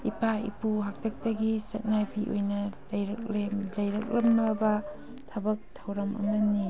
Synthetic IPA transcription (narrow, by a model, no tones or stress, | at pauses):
ipaḭpuɦak̚tʰɐk̚tɐɡisɐt̚nabiʔo̰jnɐlɐjɾɐk̚lelɐjɾɐk̚lɐmːɐbɐ | tʰɐbɐk̚tʰɐwɾɐmɐ̰mɐnːi